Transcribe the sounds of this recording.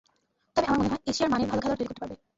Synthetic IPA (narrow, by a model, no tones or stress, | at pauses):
t̪ɔbeamaɾmoneɦɔeeʃiaɾmanebʱalokʰaloɾt̪ojikot̪epaɾbe